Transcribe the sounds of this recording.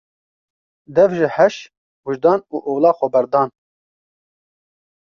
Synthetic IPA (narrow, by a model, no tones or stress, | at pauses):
d̪ɛvʒiħɛʃ | wuʒd̪ɑːnuːʔoːlɑːxɔbɛɾd̪ɑːn